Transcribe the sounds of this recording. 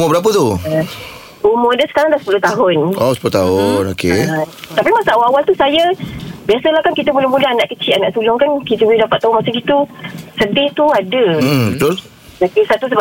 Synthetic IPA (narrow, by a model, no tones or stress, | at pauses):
mʊbəɾap̬ət̪u | umodəsə̥kaɾaŋd̪asə̥pulʊht̪aɦʊnosə̥pulot̪aɦʊnoket̪apimasaawaawalt̪usajabiasəlahkankit̪əbəlɪmulaɦanaʔkət͡ʃɪʔanaʔsulɔŋkankit̪əbəlidapat̪ːaɦʊnmasaŋkit̪usəd̪ɪht̪uadəbət̪ʊl | okesat̪us̬əb